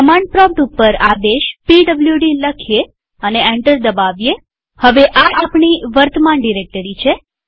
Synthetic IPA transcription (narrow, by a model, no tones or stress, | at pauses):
əmaɳɖ̚pɾɔ̃p̚ʈupːəɾad̪eʃpiɖəbljuɖiləkʰije | əneɛɳʈəɾd̪əbaʋje | həʋeʔaʔapɳiʋəɾt̪əmanɖiɾek̚ʈəɾit͡ʃʰe